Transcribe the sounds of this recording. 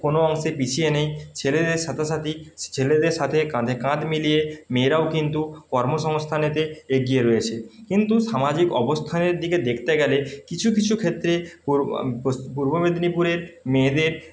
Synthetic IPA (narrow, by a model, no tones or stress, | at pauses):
konoɔŋʃepit͡ɕʰienejt͡ɕʰeled̪eɾʃat̪ʰaʃat̪it͡ɕʰeled̪eɾʃat̪ʰekãd̪ʰʱekãd̪miliemeɾaokint̪ukɔɾmoʃɔŋst̪ʰanet̪eeɡijeɾoet͡ɕʰekint̪uʃamad͡ʑikɔbost̪ʰaneɾd̪iked̪ekʰt̪eɡɛlekit͡ɕʰuk̬it͡ɕʰukʰet̪ːɾepuɾpuɾbobed̪nipuɾeɾmeːd̪eɾ